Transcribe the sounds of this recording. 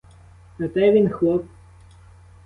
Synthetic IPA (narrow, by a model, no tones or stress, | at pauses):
nɐt̪ɛʋʲinxlˠɔp̚